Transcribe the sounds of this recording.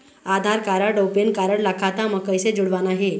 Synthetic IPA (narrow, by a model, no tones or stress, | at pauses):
ad̪ʱaɾkaɾəɖopenkaɾəɳlakʰat̪aməɡ̚kːəjsed͡zuɽʋanaɦe